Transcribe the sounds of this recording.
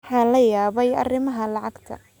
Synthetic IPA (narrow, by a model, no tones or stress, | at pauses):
ħɑːlɐjaːβɛjɐ̰rɪmɐɦɐlɑʕɑɡt̪ʰɐ̰